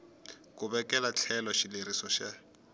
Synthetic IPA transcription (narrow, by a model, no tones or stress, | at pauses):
kʊbɛkʼɛlat͡ɬʰɛlɔʃileɾisɔʃa